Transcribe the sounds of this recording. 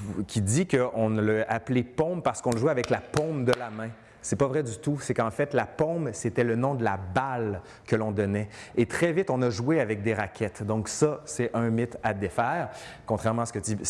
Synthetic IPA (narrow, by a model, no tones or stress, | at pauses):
kʲid̪ikəʔɔ̃nləaplepɔ̃bpaʁsə̥kɔ̃ləʒwɛavɛklapɔ̃bd̪əlamɛ̃ | sɛpɔvʁɛd̪yt̪usekɑ̃fɛt̪lapɔ̃bset̪ɛlənɔ̃d̪əlabal | kəlɔ̃d̪ɔnɛet̪χɛvɪt̪ɔ̃nɔʒuweavɛk̚d̪eʁakʲɛt̪d̪ɔ̃ksʌsɛʔə̃mɪt̪ad̪efɛːʁkɔ̃t̪χɛʁmɑ̃asə̥kət̪i